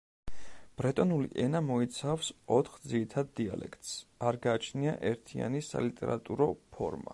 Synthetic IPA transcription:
b̥ɾɛt̪ʼɔnulḭʔɛnamɔit̪sʰafsɔt̪ʰχd̪ziɾit̪ʰad̪̚ːia̰lɛ̰kʰt̪ʼsaɾɡaːt͡ʃʰniaʔɛɾt̪ʰia̰nisa̰lit̪ʼɛɾat̪ʼuɾɔpʰɔ̰ɾma̰

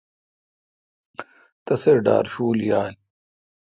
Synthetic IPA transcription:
t̪ɐseɾɖa̰ːɾɕuːljaːnʲ

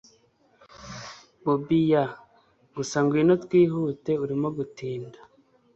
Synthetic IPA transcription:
bobija | ɡusaŋɡwino̞tkwiːɦute̞uɾimo̞ɡutiːnda

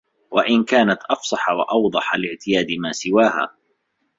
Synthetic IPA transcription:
waʔɪnkaːnat̪ʔɑfsˤɑħɑwɑ̰ʔɑwd̪ˤɑħalɪʕt̪ɪjaːd̪ɪmaːsɪwaːha̰ː

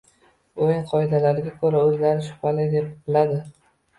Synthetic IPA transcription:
ojnqʰɒɪd̪alaɾɪɡʲakʰɵɾaɵzlaɾɪʃʊ̥pʰalɪjd̪e̞pbɪlad̪ɪ

